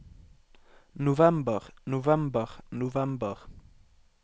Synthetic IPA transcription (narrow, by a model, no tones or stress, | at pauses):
novæmbəʁnovæmbəʁnovæmbəʁ